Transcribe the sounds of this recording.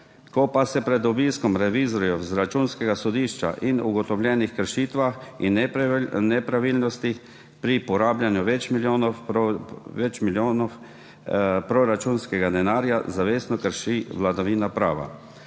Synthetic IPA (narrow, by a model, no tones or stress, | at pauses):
kɔpasɛpɾɛd̪ɔbiːskɔmɾɛʋizɔɾjɔzɾat͡ʃuːnskɛɡasɔd̪iːʃt͡ʃa̰ʔinuɡɔt̪ɔwlʲjɛnixkəɾʃiːt̪ʋaxinnɛpɾaʋiːlnɔst̪i | pɾipɔɾaːbljanjuʋɛt͡ʃmiljoːn | ʋɛt͡ʃmiljonɔ | pɾɔɾat͡ʃuːnskɛɡad̪ɛnaːɾjazaʋeːsnɔkəɾʃiʋlad̪aʋiːnapɾa̰ːʋa̰